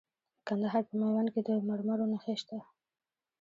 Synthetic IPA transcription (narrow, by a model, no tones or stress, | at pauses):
kand̪aɦɑɾpəmawanked̪əmaɾmaɾonaxeʃt̪a